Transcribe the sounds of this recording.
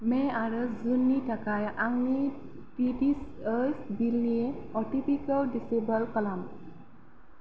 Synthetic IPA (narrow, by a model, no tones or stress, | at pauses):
mɛ̃aɾəzunːiʈakajʔaŋni | piʈisəsbilnieɔʈipikəlɖisebəlkəlam